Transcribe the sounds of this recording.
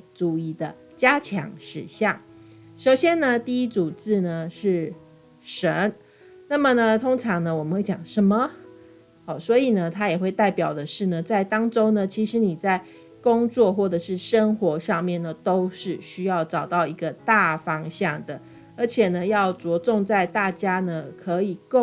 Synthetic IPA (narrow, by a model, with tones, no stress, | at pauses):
ʈ͡ʂu˥˩i˥˩d̪ə˩ | t͡ɕja˥t͡ɕʰjɑ̰˧˥ŋʂɻ̩˧˥ɕjɑ˥˩ŋʂo˨˩ʊɕjɛ˥nnə˨t̪i˥˧i˥t͡su˨˩t͡sɹ̩˥˩nə˩ʂɻ̩˥˩ | ʂə˧˦n | na˥˩mə˨nə˨t̪ʰo˥ŋʈ͡ʂʰɑ˧˥ŋnə˧wɔ˨˩mə˦xwe˥˩t͡ɕjɑ̰˨˩ŋʂə˧˦nmə˧˨ | ɔ˨˩swɔ˧˥i˨˩nə˦t̪ʰa˥jɛ˨˩xwe˥˧ɪt̪a˥˩ɪpjɑ˨˩ʊd̪ə˩ʂɻ̩˥˩nə˩t͡sa˥˩ɪt̪ɑ˥ŋʈ͡ʂo˥ʊnə˨t͡ɕʰi˧˥ʂɻ̩˧˥ni˨˩t͡sa˥˩ɪ | kʊ˥ŋt͡swɔ˥˧xwɔ˥˩ʈ͡ʂə˨˩ʂɻ̩˥˩ʂə˥ŋxwɔ˧˥ʂɑ˥˧ŋmjɛ˥˩nə˩t̪o˥ʊʂɻ̩˥˩ɕy˥jɑ˥˩ʊʈ͡ʂɑ˨˩ʊt̪ɑ˥˩ʊi˧˥ɡə˧t̪a˥˨˩fɑ˥ŋɕjɑ˥˩ŋd̪ə˩ | ə˞˧˥t͡ɕʰjɛ˨˩nə˦jɑ˥˩ʊt͡swɔ˧˥t͡sʊ˥˧ŋt͡sa˥˧ɪt̪a˥˩t͡ɕja˥nə˨kʰɤ˧˥i˨˩ko˥˨